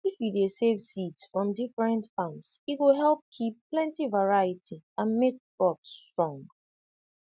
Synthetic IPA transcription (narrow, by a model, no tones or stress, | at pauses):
ifjudesevsitsfɹɔ̃mdifɹɛ̃ntfãmsitwiɦɛlˠp̚kʰipːlɛ̃ntivaɹajitʰiãnmek̚bɹɔpstɹ̥ɔ̃ŋɡ